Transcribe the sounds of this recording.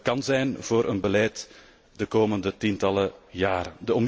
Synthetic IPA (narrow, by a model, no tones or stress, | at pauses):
kɑnzɛjnv̥oːɾʔə̰nbəlɛjt | dəkoːməndətintɑləjaːɾədəɔm